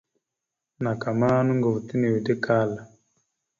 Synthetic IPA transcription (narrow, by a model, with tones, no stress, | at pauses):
na˨ka˨maː˦nu˦ŋɡo˨vu˨ti˦ne˨wi˨de˦ka˦la˨